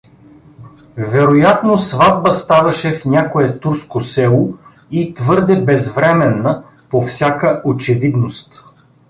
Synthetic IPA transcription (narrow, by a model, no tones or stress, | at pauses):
vɛɾojat̪nosvad̪̚bəst̪avɐʃɛfnʲakoɛt̪uɾskosɛlˠo | it̪vɤɾd̪ɛbɛzvɾɛmɛnːə | pofsʲakəʔot͡ʃɛvid̪nost̪